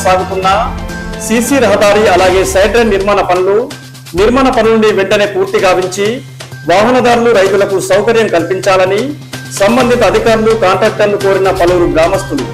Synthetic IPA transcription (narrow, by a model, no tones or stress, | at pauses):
saːɡut̪unːɐsisiɾɐɦɐd̪aːɾiɐlaːɡe̞ːsɐjɖɾɐniɾmaːnɐpɐnlu | niɾmaːnɐpɐnnuɳɖiʋeɳʈɐne̞ːpuːɾt̪iɡaːʋiɲt͡ʃi | ʋaːɦɐnɐd̪aːɾuluɾɐjt̪ulɐkusɐwkɐɾjɐmkɐlpiɲt͡ʃaːlɐni | sɐmbɐnd̪ʱit̪ɐːd̪ʱikaːɾulukaːɳʈɾaːk̚ʈɐɾluko̞ːɾinɐpɐluːɾuɡɾaːmɐst̪ulṵ